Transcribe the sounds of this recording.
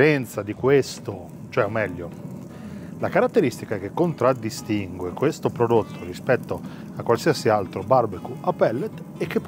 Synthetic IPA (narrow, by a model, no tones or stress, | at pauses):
ɾɛnt̪sad̪ikwest̪o | t͡ʃoɛomːɛʎːo | lakaɾat̪ːeɾist̪ikaɛk̟ekːont̪ɾad̪ːist̪iŋɡwekwest̪opɾod̪ot̪ʰːorispɛt̪ːo | akːwalsiasialt̪ɾobarbekuapɛlːet̪ː | ekːepː